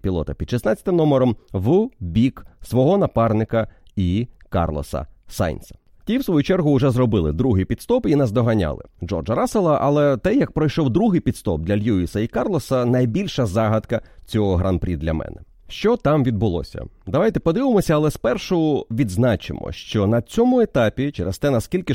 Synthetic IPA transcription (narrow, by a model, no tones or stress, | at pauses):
pʲilˠɔ̰t̪ɐpʲid̪ʃisnɑatt͡sʲɐt̪ɪmnɔmɔɾɔmʋubʲiksʋɔɦɔnɐpɑrnɪkɐikɑ̰rlˠɔ̰sɐ̰sɑ̰jnʲsɐ̥ | tʲiwsʋɔjut͡ʃɛrɦʊʊʐɛzrɔbɪlˠɪ̰d̪ɾuɦipʲidt̪st̪ɔpinɛzd̪ɔɦɐnʲa̰lˠɪ̰d͡ʒɔ̰rd͡ʒɐɾɑselˠɐʔɐlˠɛt̪ɛjɐk̚pɾɔjʃɔwd̪ɾuɦɪjpʲit̪st̪ɔ̰b̚d̪lʲɐlʲjuisɐikɑrlˠɔsɐnɐjbʲilʲʃɐzɑɦɐt̪kɐt͡sʲɔɦɔɦɾɐnpɾʲḭd̪lʲɐ̰mɛ̰nɛ | ʃt͡ʃɔt̪ɑmʋʲid̪̚bʊlˠɔ̰sʲɐ̰d̪ɐʋɑjt̪ɛpɔd̪ɪʋɪmɔsʲɐːlˠɛspɛrʃɔɔʋʲid̪znɑt͡ʃɪ̰mɔ̰ʃt͡ʃɔnɐt͡sʲɔmʊet̪ɑpʲit͡ʃeɾest̪ɛnɐskʲilʲkɪ